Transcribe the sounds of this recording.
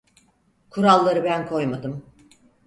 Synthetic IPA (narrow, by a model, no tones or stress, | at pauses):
kʰuɾalˠːaɾɯbænkʰo̞jmad̪ɯm